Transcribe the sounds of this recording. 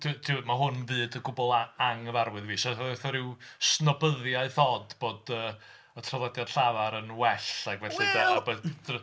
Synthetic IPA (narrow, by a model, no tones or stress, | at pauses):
tʰtʰɪwmaɦʊnvɨːdəɡʊbɔlˠaaŋəvarwɨðviːʃaθɔɾɪwsnɔbəðjaɨθɔdboːdəː | ətʰralˠɔdjad̥ɬavaɾənwɛɬaɡvɛɬidaabɛ̥